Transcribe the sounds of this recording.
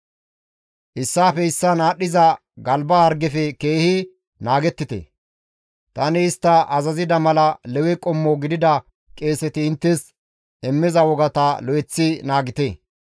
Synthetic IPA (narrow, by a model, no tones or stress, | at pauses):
ʔɪsːaːfɛɪsːɐnaːɗːɪzɐ | ɡɐlbaːɾɡɛfɛkeːhɪ | naːɡɛt̪ːɪt̪ḛ | t̪ɐnɪːst̪ːɐʔɐzɐzɪd̪ɐmɐlɐlɛwɛkʼɔmːɔɡɪd̪ɪd̪ɐ | kʼeːsɛt̪ɪːnt̪ːɛs | ɛmːɪzɐwɔɡɐt̪ɐlɔjɛt͡sːɪnaːɡɪt̪e